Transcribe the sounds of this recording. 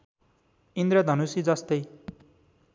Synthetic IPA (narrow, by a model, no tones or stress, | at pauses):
ind̪ɾʌd̪ʱʌnusid͡zʌst̪ʌj